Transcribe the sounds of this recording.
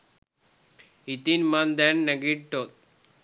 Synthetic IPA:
it̪inmand̪ɛnːəɡiʈ̚ʈot̪̚

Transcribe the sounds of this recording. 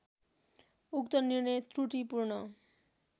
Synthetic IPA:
ukt̪ʌnirnʌjt̪ruʈipurnʌ

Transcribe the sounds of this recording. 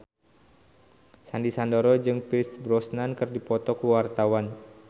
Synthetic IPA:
sandisandoɾɔd͡ʒɨŋpisbɾɔsnankɨrdipɔt̪ɔkəwart̪awan

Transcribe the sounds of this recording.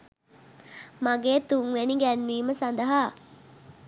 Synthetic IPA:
maɡeːt̪uŋʋeniɡæːnːiːməsand̪ɐɦaː

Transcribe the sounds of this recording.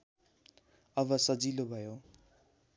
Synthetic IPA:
ʌbʌsʌd͡zilobʱʌjo

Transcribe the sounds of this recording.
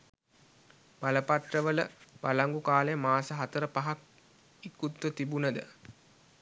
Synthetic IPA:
baləpaʈrəʋələb̥alaŋɡukaːlejəmaːsəɦat̪əɾəpaɦak̚ | ikːut̪ːʋət̪ibunəd̪ə̰

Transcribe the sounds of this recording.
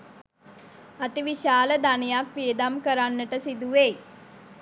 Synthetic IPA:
ət̪iʋiʃaːləd̪anijak̚piəd̪amkəɾanːəʈəsid̪uʋeː

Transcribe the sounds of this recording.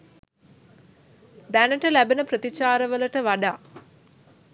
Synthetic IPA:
d̪ænəʈəlæbenəprət̪it͡ʃaːɾəʋəlɐʈəʋaɖaː

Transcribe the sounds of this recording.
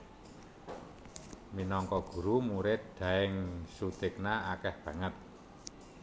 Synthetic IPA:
minɔŋkɔɡ̥ṳɾumuɾɪt̪̚d̪̥ä̤ɪŋsud̪̥ɪk̚naakɛhb̥ä̤ŋət̪̚

